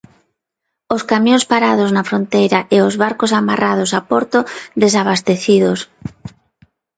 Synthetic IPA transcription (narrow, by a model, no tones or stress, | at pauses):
oskamjõŋspaɾaðoznafɾont̪ejɾaʔeozβaɾkosamarað̞osapoɾt̪oðes̬aβ̞ast̪eθiðos